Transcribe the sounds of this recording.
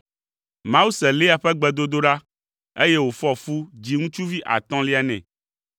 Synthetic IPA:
mã˦wu˦sɛ˨le˦a˨ɸɛ˦ɡ͡bɛ˨d̪o˦d̪o˦ɖa˦ | e˦je˦wo˨fɔ˦fu˦d͡ʑi˦ŋũ˦t͡ʃu˦vi˦ʔa̰˨t̪ɔ̃˦li˦a˨nɛ̰̃˨

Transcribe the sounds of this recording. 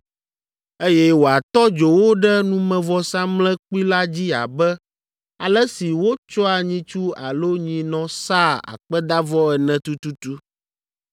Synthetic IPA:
e˦jɛ˦wo˨a˨t̪ɔ˦d͡ʒo˨wo˦ɖɛ˦nũ˦mɛ̃˨vɔ˦sã˦mlɛ̃˦k͡pi˦la˦d͡ʑi˦a̰˨bɛ˦ | a˨lɛ˦si˨wo˦t͡ʃɔ˦a˨ɲĩ˦t͡ʃu˦a˨lo˦ɲĩ˦nɔ̃˦sa˦a̰˨k͡pɛ˦d̪a˦vɔ˦ɛ˨nɛ̃˨t̪u˦t̪u˦t̪u˦

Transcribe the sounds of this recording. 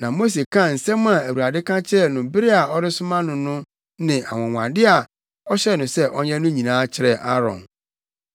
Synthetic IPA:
nã˨mo˦s̬e˨kʰã˦˨n̩˨sɛ̃˦m˦a˨æ˨wu˨a˨dɪ˦kʰã˦t͡ɕʰɪ˦ɾɛ˨nʊ̃˨bɪ˦ɾɪ˦a˨ɔ˦ɾɪ˦sʊ˦mã˦nʊ̃˨nʊ̃˦ | nɪ̃˨ʔa˨wɔ̃˨ŋʷwʷã̰˨dɪ˦a˨ | ɔ˦ɕɛ˦˨nʊ̃˨sɛ˦ʔɔ˦ɲɛ̃˦nʊ̃˦ɲĩ˨nãː˦t͡ɕʰɪ˦ɾɛ˨ʔa˦ɾɔ̰̃˨n

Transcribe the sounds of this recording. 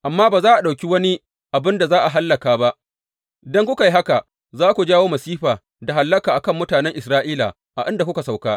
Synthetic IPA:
ʔa˨mːaː˦baː˨zaː˦ʔa˨ɗa˨wkʲi˦wɐ˦ni˦ | ʔa˨bɪ˦nda˨zaː˦ʔa˨ɦa˦lːɐ˨kaː˨ba˦ʔ | dɔ˦ŋkʷʊ˦ka˨ji˦ɦa˦ka˨ | zaː˦kʷu˨d͡ʒaː˦woː˦mɐ˨siː˦ɸaː˨ | da˨ɦa˨lːɐ˦kaː˨ʔa˨kɐ˦˨mːʊ˦taː˨nɛ˦ŋʔɪ˨sɾaː˦ʔiː˦la̰˨ | ʔa̰˨ʔɪ˦nda˨kʷʊ˦ka˨sa˨wkaː˦

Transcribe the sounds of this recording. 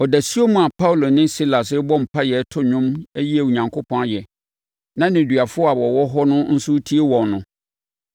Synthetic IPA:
ɔ˨dæ˨si˦o˦mũ˨a˨pʰa˦u˨lo˨nɪ̃˦si˦la˨sɪ˦bɔ˦m̩˨pʰa˦jɛ˨˦tʰʊ˦ɲʊ̃˦mæ˦ji˦e˨u˨ɲã˨ŋkʰo˦pʰɔ̃˦jɛ˨ | nã˦nɪ̃˨dɥa˨fʊ˦ɔ˦a˨wɔ˨wɔ˦ɦɔ˦nʊ̃˦n̩˦sʊ˦tʰi˦e˦wɔ̃˨nnʊ̃˨

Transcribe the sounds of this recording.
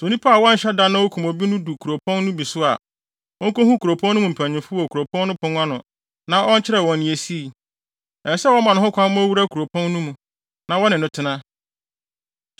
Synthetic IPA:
so˨nĩ˦pʰa˦˨wɔ̃˦n̩˨ɕɛ˦da˦nʊ̃˦ɔ˦kʰu˨mo˨bi˦nʊ̃˦du˨kʰu˨ɾo˨pʰɔ̃˦nːʊ̃˦bi˨sʊ˦a̰˨ | wɔ˦ŋ˦kõ˦hũ˦kʰu˨ɾo˨pʰɔ̃˦nː˦ʊ̃˦mũ˨m̩˨pʰæ̃˨ɲɪ̃˨fʊ˦wɔ˨kʰu˨ɾo˨pʰɔ̃˦n˦nʊ̃˦pʰʊ̃˦n˦a˦nʊ̃˨ | nã˨˦ʔɔ˦n̩˦t͡ɕʰɪ˦ɾɛ˨wɔ̃˨nĩ˨e˨si˦˨ | ɛ˨sɛ˦wɔ˦mã˨nʊ̃˨˦ɦʊ̃˦kʰʷa˦mʊ̃˦æ˦wu˦ɾa˦kʰu˨ɾo˨pʰɔ̃˦nnũ˦mũ˨ | nã˨wɔ˦nɪ̃˨nʊ̃˦tʰɪ˦nã˦

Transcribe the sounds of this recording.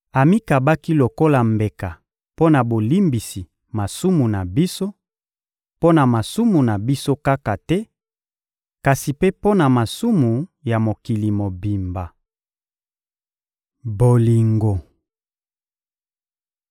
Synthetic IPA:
a˨mi˦ka˨ba˦ki˦lo˨ko˦la˨mbe˨ka˨ | po˦na˨bo˨li˦mbi˨si˨ | ma˨su˦mu˨na˨bi˦so˦ | po˦na˨ma˨su˦mu˨na˨bi˦so˦ka˦ka˨tɛ˦ | ka˨si˨pe˦po˦na˨ma˨su˦mu˨ja˨mo˨ki˨li˨mo˨bi˨mba˨ | bo˨li˨ŋɡo˨

